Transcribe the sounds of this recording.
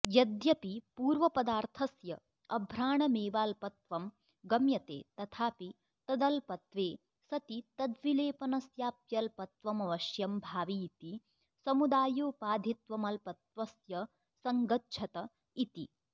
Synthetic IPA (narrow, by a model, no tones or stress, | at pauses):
jɐd̪jɐpipuːɾʋɐpɐd̪aːɾt̪ʰɐsjɐ | ɐbʱɾaːɳɐmeːʋaːlpɐt̪ʋɐm | ɡɐmjɐt̪ḛːt̪ɐt̪ʰaːpi | t̪ɐd̪ɐlpɐt̪ʋeː | sɐt̪it̪ɐd̪ʋileːpɐnɐsjaːpjɐlpɐt̪ʋɐmɐʋɐʃjɐmbʱaːʋiːt̪i | sɐmud̪aːjoːpaːd̪ʱit̪ʋɐmɐlpɐt̪ʋɐsjɐ | sɐŋɡɐtʃʰɐt̪ɐ | it̪i